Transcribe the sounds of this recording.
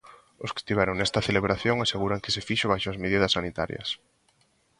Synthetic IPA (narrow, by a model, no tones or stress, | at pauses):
ʊskɪ̥st̪iβɛɾoŋnɛst̪ɐθeleβ̞ɾaθjoŋaseɣuɾaŋkɪ̥sefiʃʊβajʃʊɐzmeð̞iðɐsːanit̪a̰ɾj̰ɐ̰s